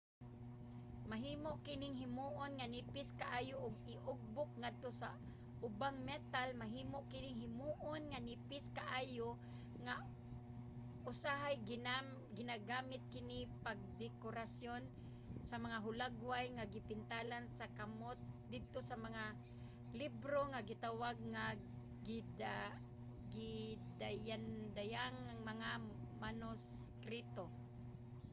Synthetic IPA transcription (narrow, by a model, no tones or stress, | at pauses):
maɦiːmoʔkɪnɪŋɦɪmuːʔonŋanɪpɪskaʔaːjoʔʊɡɪʔʊɡ̚bʊk̚ŋad̪̚t̪osa | ʔʊbaŋmɛt̪almaɦiːmoʔkɪnɪŋɦɪmuːʔonŋanɪpɪskaʔaːjo | ŋa | ʔʊsaɦaj | ɡɪnaɡaːmɪt̪̚kɪnɪpaɡ̚d̪ɛkoɾasjon | samaŋaɦʊlaɡwajŋaɡɪpɪnt̪alansakamot̪̚d̪ɪd̪̚t̪osamaŋa | libɾoŋaɡɪt̪awaɡ̚ŋa | ɡɪd | ɡɪd̪ajand̪ajaŋaŋmaŋamanʊs | kɾit̪o